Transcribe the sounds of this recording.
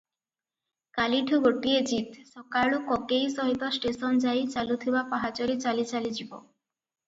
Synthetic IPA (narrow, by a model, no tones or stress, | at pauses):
kaliʈʰuɡoʈied͡ʒit̪sɔkaɭukɔkejsɔɦit̪ɔsʈesɔnd͡ʒajt͡ʃalut̪ʰibapaɦat͡ʃɔɾit͡ʃalit͡ʃalid͡ʒibɔ